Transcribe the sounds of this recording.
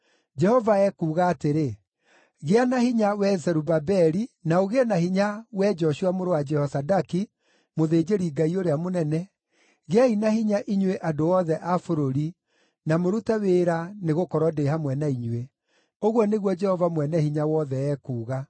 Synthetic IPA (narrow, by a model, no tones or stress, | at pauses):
d͡ʒɛhɔvaɛkuːɣaːteɾe | ɣeanahiɲawɛzɛɾubabɛɾinaoɣenahiɲawɛd͡ʒɔɕuwamoɾowad͡ʒɛhɔsadaki | moðeːd͡ʒeɾiɡaioɾeamonɛnɛ | ɣeainahiɲaʔiɲweʔadoɔðɛʔafoɾoɾi | namoɾutaweɾaneɣokɔɾwɔdeɦamwɛnaiɲwe | oɣwɔneɣwɔd͡ʒɛhɔvamwɛnɛhiɲawɔðɛɛːkuːɣa